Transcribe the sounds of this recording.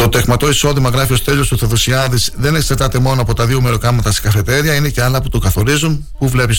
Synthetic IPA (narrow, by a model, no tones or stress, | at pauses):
t̪o̞t̪e̞ɣmɐt̪o̞iso̞ðimɐɣɾɐfio̞st̪e̞ʎost̪uθoðosiɐðizðe̞ne̞ksɐɾt̪ɐt̪e̞mo̞noɐpo̞t̪ɐðiomeɾo̞kɐmɐt̪ɐsi̥kɐfe̞t̪e̞ɾiɐine̞ceɐlɐput̪okɐθo̞ɾizunpuvle̞pis